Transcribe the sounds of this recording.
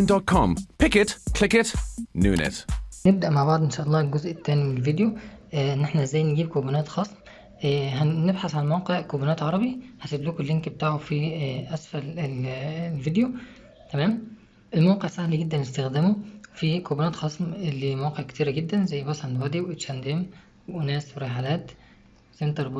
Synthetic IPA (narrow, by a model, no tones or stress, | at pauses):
ndɔt̚kʰɔ̃mpɪkətkʰl̥ɪkətnṵːnɛ̰tneb̚d̪æʔmaʕbɑʕd̪ˤʔenʃæːʔɑlˤːɑːelɡozʔet̪ːæːnimenelvid̪joʔenːeħnæɪzːæːjːnɡiːb̚kobænæːt̪xɑːsˤm | ɦænebħaθʕanmæwqeʕkobuːnæːt̪ʕɑɾˤɑbihæseb̪lukolːenkbet̪aːʕofiʔæsfælelvid̪jo | t̪æmæːm | ʔelmæwɑqeʕsæhliɡed̪ːænest̪æxd̪æːmofikobæːnæːt̪xɑːsˤmelːimæwɑːqeʕke̥t̪iːɾæɡed̪ːænzæjːbɑsˤʕɑnd̪wæd̪iwʔet̪ʃænd̪æːm | weʔonæːsweɾeħalæːt̪ | sent̪ɑɾˤb